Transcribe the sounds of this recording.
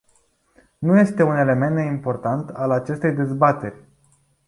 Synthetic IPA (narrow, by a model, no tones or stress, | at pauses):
nuje̞st̪e̞une̞le̞me̞nimpo̞rt̪ant̪alat͡ʃe̞st̪e̞jd̪e̞zbat̪e̞rʲ